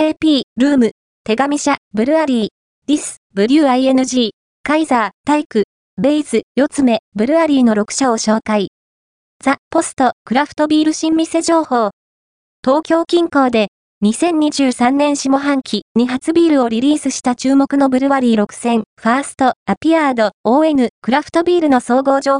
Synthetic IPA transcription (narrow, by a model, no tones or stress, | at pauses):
eːpʲiːɾɯ̟ːmɯ̟ | t̪e̞ɡamʲiɕabɯ̟ɾɯ̟aɾʲiː | d̥̪ʲisɨ̥bɯ̟ɾʲɯ̟ːaie̞nɯ̟ʑiː | kaizaːt̪aikɯ̟ | be̞izɨjo̞t͡sɨme̞bɯ̟ɾɯ̟βaɾʲiːno̞ɾo̞kɯ̟̥ɕao̞ɕo̞ːkai | z̥apo̞sɨ̥t̪o̞kɯ̟ɾaɸɯ̥t̪o̞bʲiːɾɯ̟ɕĩmːʲise̞d͡ʑo̞ːho̞ː | t̪o̞ːkʲo̞ːkʲĩŋko̞ːd̪e̞ | ɲ̟isẽ̞ɲ̟iʑɨːsãnnːẽ̞ɰ̃ɕimo̞ɦãŋkʲʰiɲ̟iɦat͡sɨbʲiːɾɯ̟o̞ɾʲiɾʲiːsɨɕi̥t̪at͡ɕɨːmo̞kɯ̟no̞bɯ̟ɾɯ̟βaɾʲiːɾo̞kɯ̟̥sẽ̞ɴɸaːsɨ̥t̪o̞apʲiaːd̪o̞oːe̞nɯ̟kɯ̟ɾaɸɯ̥t̪o̞bʲiːɾɯ̟no̞so̞ːɡo̞ːd͡ʑoː